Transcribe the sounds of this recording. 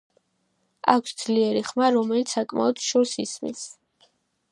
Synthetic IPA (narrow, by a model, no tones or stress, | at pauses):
a̰kʷʰsd̪z̥liɛɾiχmaɾɔmɛlit̪sʰsakʼma̰ɔd̪ʃɔɾsismḭs